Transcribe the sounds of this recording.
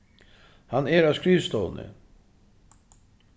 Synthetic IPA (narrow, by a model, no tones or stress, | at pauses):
hanɛɾaːskɾiːst̪ɔːnə̰